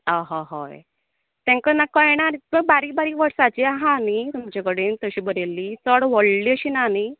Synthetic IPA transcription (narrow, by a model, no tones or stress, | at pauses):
aɦaɦa̰j | t̪ɛ̃ŋkənakːəjeɽ̃aɾməɡ̚baɾiːbaɾiːʋəɾsat͡ɕiaɦaːnit̪umt͡ɕakəɽint̪əɕiːbəɾelːit͡səɽʋəɽliəɕiːnani